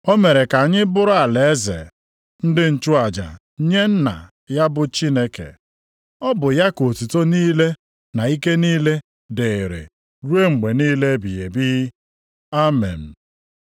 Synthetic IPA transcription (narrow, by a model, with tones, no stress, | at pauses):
o˦me˨ɾe˨ka˨ɲɪ˦bʊ˦ɾʊ˦a˨le˨e˦zḛ˨ | n̩˦dɪ˦n̩˨t͡ʃu˦a˨d͡ʒa̰˨˦ | ɲe˦n̩˦na̰˨ | ja˦bʊ˨t͡ʃi˦ne˦kḛ˨ | ɔ˦bʊ˨ja˦ko˨tu˨to˦niː˦le˦ | na˨i˦ke˦niː˦le˦ | dɪ˨ɾḛ˨ | ɾu˦e˦ŋ͡m̩˨ɡ͡be˨niː˦le˦bi˨je˨bi˦ | a˦mḛ˨n̩˨